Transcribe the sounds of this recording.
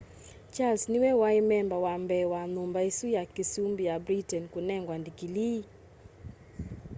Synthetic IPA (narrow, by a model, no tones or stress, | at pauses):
t͡ʃalsniwɛwaimɛmbawambɛwanʊmbaisujakisumbijabɾitɛnkunɛŋɡwandikili